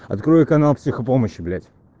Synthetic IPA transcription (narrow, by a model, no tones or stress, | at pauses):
ɐ̰t̪kɾojɪkɐnalˠpsʲixəpoməɕːɪblʲætʲ